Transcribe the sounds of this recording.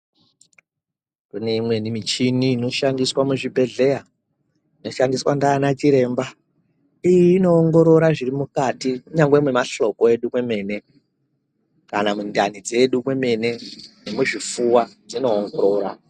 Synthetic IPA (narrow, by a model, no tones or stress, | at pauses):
kune̞imwe̞nimit͡ʃiniːno̞ʃandiswamuʐibʱe̞ɮe̞ja | ino̞ʃandiswandaːnat͡ʃiɾe̞ːmba | ijiːno̞ːŋɡo̞ɾo̞ɾaʐirimukatikuɲaŋɡwemwe̞maɬo̞koe̞ɗumwe̞me̞ne̞ | kanamundanid͡ze̞ɗumwe̞me̞ne̞nemuʐifuwad͡zino̞ːŋɡoɾo̞ːɾa̰